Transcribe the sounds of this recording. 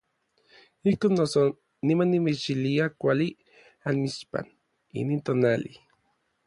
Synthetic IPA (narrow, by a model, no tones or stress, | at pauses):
ihkoːnːoso | nimanːimet͡ʃiliakʷali | anmit͡ʃpa̰n | ḭniːnt̪oːnali